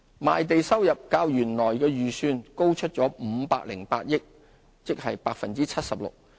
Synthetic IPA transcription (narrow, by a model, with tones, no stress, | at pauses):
maː˨jt̪e˨jsɐ˥wjɐ˨p̚kaː˧wjyː˨˩nlɔː˨˩jkɛː˧jyː˨syː˧nko˥wt͡ʃʰɵ˥t̚t͡ʃɔː˨˥m̩ː˨˧paː˧k̚lɪ˨˩ŋpaː˧t̚jɪ˥k̚ | t͡sɪ˥k̚hɐ˨jpaː˧k̚fɐ˨nt͡siː˥t͡sʰɐ˥t̚sɐ˨p̚lʊ̰˨k̚